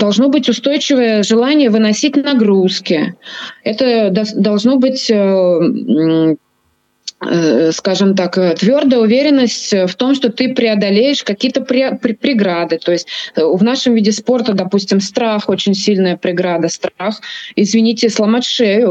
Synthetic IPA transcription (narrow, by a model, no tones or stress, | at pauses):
d̪ɐlˠʐno̞bɨtʲʊst̪o̞jt͡ɕɪvəjəʐɨlˠanʲɪjəvɨnɐsʲit̚ʲnɐɡɾuskʲɪɛt̪əd̪d̪ɐlˠʐno̞bɨtʲə | skaʐɨmt̪akət̪vʲord̪əjəʊvʲeɾʲɪnːəsʲtʲft̪o̞mʂt̪o̞t̪ɨpɾʲɪɐd̪ɐlʲejɪʂkɐkʲijət̪əpɾʲpʲpɾʲɪɡɾad̪ɨt̪o̞jɪsʲtʲvn̪aʂɨmvʲidʲɪspo̞rt̪əd̪ɐpusʲtʲɪmst̪ɾaxo̞t͡ɕɪnʲsʲilʲnəjəpɾʲɪɡɾad̪əst̪ɾaxɪzvʲɪnʲitʲɪslˠəmɐʂɛvʲʊ